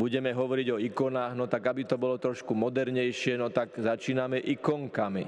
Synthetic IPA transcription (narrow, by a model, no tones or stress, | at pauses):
buɟɛmɛɦɔʋɔɾiɟɔikɔnaːɣnɔt̪aɡabit̪ɔbɔlɔt̪ɾɔʃkumɔd̪ɛɾɲɛjʃɪɛnɔt̪aɡzat͡ʃiːnamɛʔikɔŋkamḭ